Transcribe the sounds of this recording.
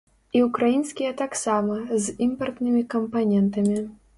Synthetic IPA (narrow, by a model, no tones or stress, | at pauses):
iukɾajinsʲkʲijɐt̪aksamɐzimpɐrt̪nɨmʲikɐmpanʲɛnt̪ɐmʲi